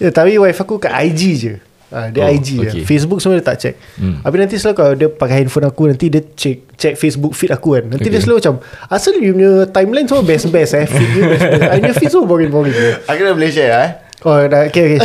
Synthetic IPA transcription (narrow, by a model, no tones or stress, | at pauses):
jat̪apiwajfakukaʔa̰jd͡ʒid͡ʒə | adəajd͡ʒid͡ʒfes̬buk̚səmodiət̪a̰ʔt͡ʃɛ̰k̚apinãnt̪islokaladəpakajinfonakunãnt̪idət͡ʃɛk̚t͡ʃɛk̚fesbuk̚fit̪akukanːãnt̪idiəslot͡ʃamasəljumət̪ajmlajnsəmobɛsbɛsɛfit̪̚jubɛsbɛsanɔfisobɔɡinbɔɡind͡ʒəakunabəlet͡ʃɛa | odaokeoke